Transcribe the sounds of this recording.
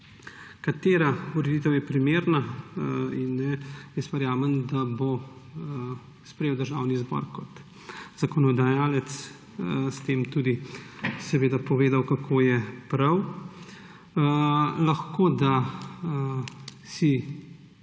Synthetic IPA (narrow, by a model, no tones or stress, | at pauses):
kat̪eːɾauɾɛd̪it̪əwjɛpɾimeːɾna | inːɛjesʋɛɾjaːmənd̪abo | spɾɛjewd̪əɾʒaːwnizbɔ̰ɾkɔt̪ | z̥akɔnɔd̪ajaːlɛt̪s | st̪eːmt̪uːd̪isɛʋeːd̪apɔʋeːd̪awkakʰoːjɛpɾɐw | laxkoːd̪a | si